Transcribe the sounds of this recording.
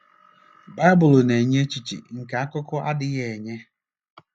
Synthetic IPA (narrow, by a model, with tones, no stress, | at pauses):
ba˦ɪ˦bʊ˨lne˨ɲe˦t͡ʃi˨t͡ʃḭ˨ŋ̩˨ka˨a˦kʊ˦kʊ˦a̰˦dɪ˦ɣe˨ɲe˦